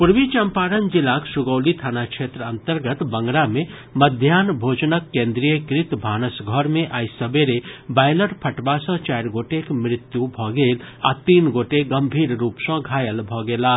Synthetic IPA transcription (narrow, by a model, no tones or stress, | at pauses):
puɾʋit͡ʃəmpaːɾənd͡ʒilaksuɡəwlit̪ʰaːnakʃʰeːt̪ɾəənt̪əɾɡət̪bə̃ŋɡɾamẽ | məd̪ʱjaːnbʱoːt͡ʃnəkːẽːnd̪ɾijəkɾɪt̪bʱaːnəsɡʱɔɾmẽʔaːjsəbeɾebaːjləɾpʰəʈbasə̃t͡ʃajɾɡoːʈekmɾɪt̪jubʱɔɡeːla̰t̪iːnɡoːʈeɡəmbʱiːɾɾuːpsə̃ɡʱaːjəlbʱɔɡelaː